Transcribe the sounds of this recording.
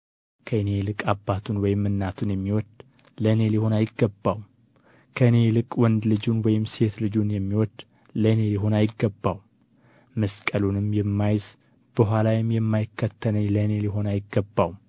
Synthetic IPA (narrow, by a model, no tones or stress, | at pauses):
kʰəɨne̞lɨkʼabːat̪ʰunwɔjɪmːɨnːat̪ʰunjɛmːiwɔd̪ | ləne̞liho̞najɪɡːəbːaw | kʰəɨne̞lɨkʼwɔnd̪lɨd͡ʒunwɔjɪmse̞t̪lɨd͡ʒunjɛmːiwɔd̪ | ləne̞liɦo̞najɪɡːəbːaw | məskʼəlunɨmjɛmːajz | b̥əɦalajɪmjɛmːajɪkːət̪ʰːənəɲləne̞liɦo̞najɪɡːəbːawm